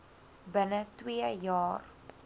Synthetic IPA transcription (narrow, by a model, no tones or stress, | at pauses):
bənətwiəjɑːr